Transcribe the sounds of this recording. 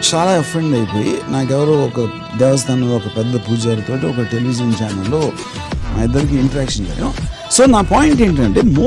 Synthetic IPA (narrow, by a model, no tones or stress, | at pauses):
t͡ʃaːlaːɐpʰɾeɳɖɐjpo̞ːjḭnaːkɛʋɐɾɐwɔkɐ | d̪ɛʋɐs̬t̪ʰaːnɐɔkɐpɛd̪ːɐpuːd͡ʒaːɾut̪o̞ːʈiɔkɐʈe̞liʋid͡ʒɐnt͡ʃaːnɐlːoː | naːid̪ːɐɾik̬iiɳʈɐɾaːkʂɐnd͡ʒa̰ːjɐ̰̃ | so̞ːnaːpaːjiɳʈeːɳʈɐɳʈeːmoː